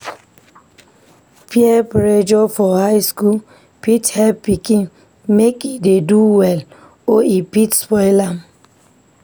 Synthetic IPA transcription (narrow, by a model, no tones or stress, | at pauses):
pjɛpɾed͡ʒɔfɔhaɪskul | pithɛlppikĩŋ | mekideduwɛl | oipitspɔɪlam